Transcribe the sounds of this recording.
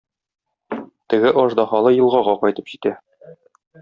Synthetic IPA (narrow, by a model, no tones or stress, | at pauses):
t̪ɘ̆ɡɘʔɒʒd̪ɑχɑlˠɤjɤ̆lˠʁɑʁɑqɒjt̪ɤpʑit̪æ